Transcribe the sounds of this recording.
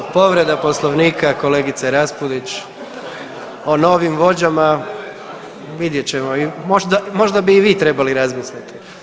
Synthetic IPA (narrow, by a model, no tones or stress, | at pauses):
po̞ʋɾe̞d̪apo̞slˠoʋniːkʰako̞le̞ːɡit̪seɾaspud̪it͡ɕ | o̞no̞ʋimʋo̞d͡ʑama | ʋid̪je̞t͡ɕe̞moimoʒd̪amo̞ʒd̪abiːʋiːt̪ɾe̞baliɾazmisʎʲat̪i̥